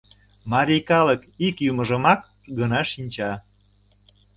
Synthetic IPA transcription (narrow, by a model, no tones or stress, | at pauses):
mɑɾʲikɑləkikjuməʒəmɑk | ɡənɑʃinʲt͡ɕɑ